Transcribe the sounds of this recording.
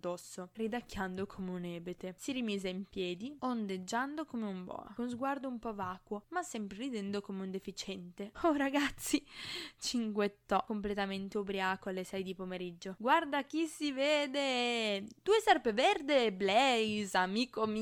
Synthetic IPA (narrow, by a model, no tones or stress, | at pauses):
d̪ɔsːorid̪akːjand̪okʰomeunɛːbet̪esiɾimiːzeimpjɛːd̪iond̪ed͡ʒːand̪okomeumbɔ̰ːa̰kounzɡward̪oumpɔvaːkwomasːɛmpɾerid̪ɛnd̪okomeund̪efit͡ʃɛnt̪eoɾaɡat̪sːit͡ʃiŋɡwet̪ːɔkomplet̪ament̪eobɾiaːkoalːesɛjd̪ipomeɾid͡ʒːoɡward̪ak̟isːiveːd̪e | d̪uːesarpevɛrd̪eblɛjzamiːkom